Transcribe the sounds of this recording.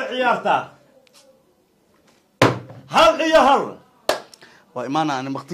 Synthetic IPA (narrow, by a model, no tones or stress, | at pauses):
ʕɪjaːrt̪ʰa̰ː | hɐlɪjɔɦɐl | wɑːɪmaːnanɪmɐqt̪ʰ